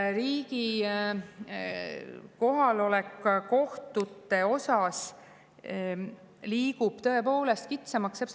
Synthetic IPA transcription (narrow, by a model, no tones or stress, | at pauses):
ɾiːɡi | ko̞ɦɑlo̞lekːˑko̞ht̪ut̪ːˑe̞o̞sɑs | liːkub̥t̪ɤe̞po̞ːle̞st̪̚kit̪semɑkseps